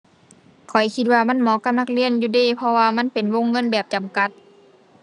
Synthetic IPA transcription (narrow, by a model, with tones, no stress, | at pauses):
kʰɔ˨˩jkʰi˧t̪̚waː˧ma˧˥˨nmɔː˨˧˦ka˧˦p̚na˧k̚li˧˨ənjuː˧deː˧˩˨pʰɔ˧waː˧ma˧˥˨npe˨nwo˧˥˨ŋːɤ˧˥˨nbɛː˨˩p̚t͡ɕa˨˩mka˧˦t̪̚